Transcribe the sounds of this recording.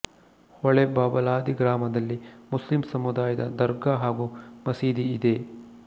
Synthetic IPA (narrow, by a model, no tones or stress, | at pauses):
hɔɭebaːbɐlaːd̪iɡɾaːmɐd̪ɐlːimuslimsɐmud̪aːjɐd̪ɐd̪ɐɾɡaɦaːɡumɐsiːd̪iːd̪e̞